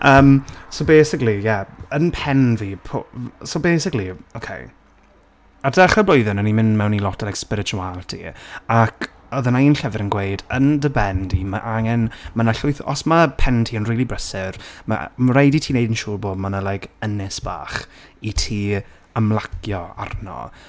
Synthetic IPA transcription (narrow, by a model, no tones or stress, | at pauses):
ʔəːmsobejsɪklijɛənpʰɛnviːpʰo̰sobejsɪkliokʰḛj | adɛχəblojðɪnənimɪndmɛwnilˠɔtʰlaɪkspɪɾɪtʰualˠtʰḭakʰ | ɔðənaiːnɬɛvɪɾənɡwejdəndəbɛndimaʔaŋɛnmanaɬʊɨθɔ̰smapʰɛntʰiːənriːlˠibrəsɪrma̰mɾejditʰiːnejdənʃuːrboːdmanalˠajkʰənɛsb̥a̰ːχitʰiː | əmlˠakjɔa̰rnɔ̰